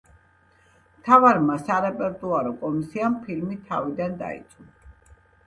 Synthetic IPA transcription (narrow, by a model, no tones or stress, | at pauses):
mt̪ʰavaɾmasaɾɛpʼɛɾt̪ʼuaɾɔkʼɔmisiampʰilmit̪ʰa̰vid̪and̪a̰ḭt̪sʼu